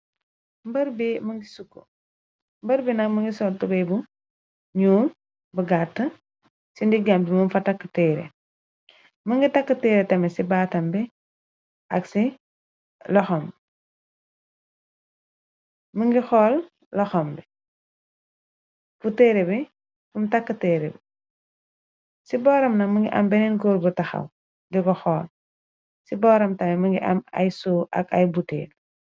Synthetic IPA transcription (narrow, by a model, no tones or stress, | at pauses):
mbɐɾbiməŋɡisukːo̰ | mbɐɾbinɐkməŋɡisɔːltubɐjbu | ɲuːn | bɐɡatːə | sindiɡambimɐmfɐtakːətɛːɾɛ̰ | məŋɡitɐkːətɛːɾɛtɐmɛsibaːtɐmbɛ | ʔɐksi | lɔxɔm | məŋɡixɔːl | lɔxɔmbɛ | b̥utːeːɾɛbi | fumtɐkːɐtɛːɾɛbɛ | sibɔːɾɐmnɐməŋɡḭʔɐ̰mbɛnɛnɡuɾbutɐxɐ̰w | diɡɔxɔːl | sibɔːɾɐmtɐmɛməŋɡiʔɐ̰mɐ̰jsuʔɐ̰kɐjbutːḛːɾ